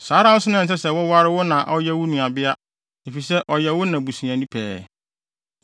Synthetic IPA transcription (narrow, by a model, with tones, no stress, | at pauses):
saː˨˦ɾa˦wʊ˦sʊ˦nʊ̃˦n˨s̬ɛ˦sɛ˦wʊ˦wa˦ɾɪ˦wʊ˦nã˨ʔɔ˦jɛ˦wʊ˦nũ˨a˨bɪ˦a˦ | e˨fi˨sɛ˦ʔɔ˨jɛ˨wʊ˦nã˨bu˨sĩ˨ã˨nĩ˦pʰɛ̰ː˨